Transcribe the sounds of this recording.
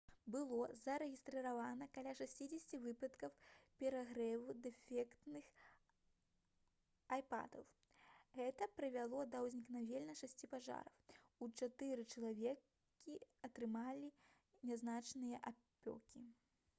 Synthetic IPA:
bɨlˠɔzɐɾɛɣʲist̪ɾɨɾavanɐkalʲaʂasʲt͡sʲid͡zʲɛsʲt͡sʲivɨpɐt̪kɐwpʲɛɾaɣɾɛvud̪ɛfʲɛkt̪nɨx | ajpa̰d̪ɐw | ɣɛt̪ɐpɾɨvʲalˠɔd̪ɐwzʲnʲiknavʲɛlʲnɐʂasʲt͡sʲipaʐa̰ɾɐwut͡ʂat̪ɨɾɨt͡ʂɐlˠavʲɛ | kkʲiɐt̪ɾɨmalʲi | nʲɛznat͡ʂnɨjɐʔapʲɔ̰kʲi

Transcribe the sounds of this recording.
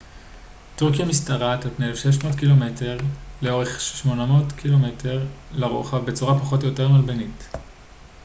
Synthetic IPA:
tuʁkijamistaʁatalpneelefʃeʃ̬mo̞ːtkilo̞me̞tʰe̞ʁleo̞ʁe̞χʃʃmo̞namo̞ːtkʰilo̞metʰe̞ʁlaʁoχavbe̞t͡suʁapaχotjo̞te̞ʁmalbenit

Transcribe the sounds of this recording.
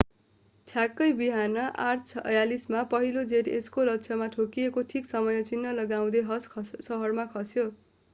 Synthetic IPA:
ʈʰjakːʌjbiɦanʌʔart͡sʰʌ̰jalismapʌɦilod͡zeʈeskolʌkt͡sʰʌmaʈʰokijekoʈʰiksʌmʌjʌt͡sinːʌlʌɡaw̃d̪ʌjɦʌsʰsʌɦʌrmakʰʌsjo

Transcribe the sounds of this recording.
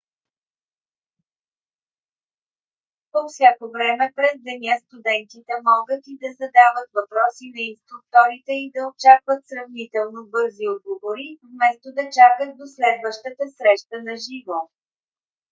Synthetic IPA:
pofsʲjakovɾɛmɛpɾɛzd̪ɛnʲjast̪ud̪ɛnt̪it̪ɛmɔɡət̪id̪ɐzɐd̪avət̪vɐpɾɔsinɐinst̪ɾuk̚t̪ɔɾit̪ɛid̪ɐot͡ʃakvət̪sɾɐvnit̪ɛlˠnobɤɾziod̪̚ɡovoɾivmɛst̪od̪ɐt͡ʃakət̪̚d̪oslɛd̪vəʃt̪ət̪əsɾɛʃt̪ənɐʒivo

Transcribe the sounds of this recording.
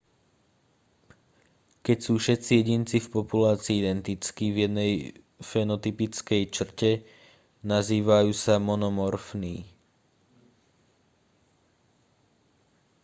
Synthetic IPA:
kɛcsuːfʃɛt̪t͡sijɛɟint͡sifpɔpulaːt͡siːid̪ɛnt̪it͡skivjɛd̪nɛj | fɛnɔt̪ipit͡skɛjt͡ʃr̩cɛ | naziːʋajuːsamɔnɔmɔɾfniː

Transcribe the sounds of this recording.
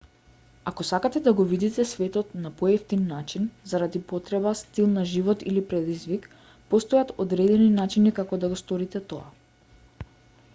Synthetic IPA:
akɔsakat̪ɛd̪aɡɔvid̪it̪ɛsvɛt̪ɔt̪napɔɛft̪inːat͡ʃinzaɾad̪ipɔt̪ɾɛbast̪ilˠnaʒivɔt̪ilipɾɛd̪izvik | pɔst̪ɔjat̪od̪ɾɛd̪ɛninat͡ʃinikakɔd̪aɡɔst̪ɔɾit̪ɛt̪ɔa̰

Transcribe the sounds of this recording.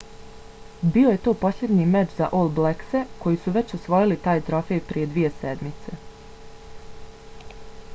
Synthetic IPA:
bio̞je̞t̪o̞ːpo̞slʲe̞d̪ɲiːmet͡ʃza̰ʔolˠblekse̞ko̞jisuʋe̞t͡ɕosʋojilit̪aːjt̪ɾo̞fe̞jpɾije̞d̪ʋije̞sed̪mit̪se̞

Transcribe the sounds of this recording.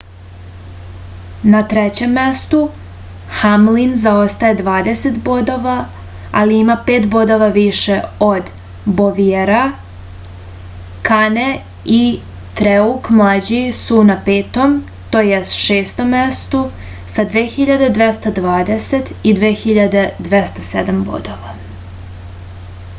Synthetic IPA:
nat̪ɾet͡ɕe̞mːest̪u | xamlinzao̞st̪ajed̪ʋaːd̪eset̪bo̞d̪o̞ʋa | aliimape̞ːt̪bo̞d̪o̞ʋaʋiʃeod̪ | boʋieɾa | kane | i | t̪ɾeukmlˠaːd͡ʑisunapeːt̪o̞m | t̪oːjest̪ʃeːst̪o̞mːest̪u | sad̪ʋeːxiʎad̪e̞d̪ʋest̪ad̪ʋaːd̪eset̪id̪ʋeːxiʎad̪e̞d̪ʋest̪ased̪ambo̰d̪o̞ʋa

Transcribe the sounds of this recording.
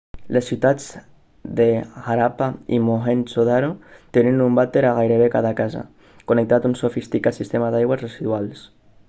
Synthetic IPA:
lesːiwt̪ad͡z | d̪eɣaɾapaḭmoxensoðaɾot̪enenumbat̪eɾaɣajɾeβekaðakaza̰ | konek̚t̪at̪unsofist̪ikasist̪emaðajɣwazreziðwals

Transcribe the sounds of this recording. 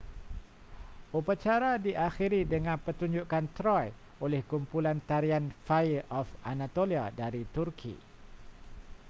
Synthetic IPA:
upat͡ʃaɾadiʔaxiɾidəŋãnpət̪uɲd͡ʒuʔkant̪ɾɔj | olɛhkumpulant̪aɾianfajʔɔfʔanat̪oliadaɾit̪urkʰḭ

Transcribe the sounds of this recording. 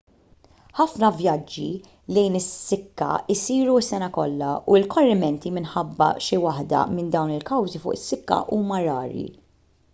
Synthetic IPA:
ħɐfnɐvjɐd͡ʒːi | lɛjnɪsːɪkːɐ̰ɪsiːɾuɐsːɛnɐkɔlːɐuɪlkɔrːɪmɛnt̪imɪnħɐbːɐ̰ʃɪwɐħd̪ɐ̰mɪnd̪ɐwnɪlkɐwzifʊ̰ːʔɪsːɪkːɐ̰ʔuːmɐɾɐːɾḭ

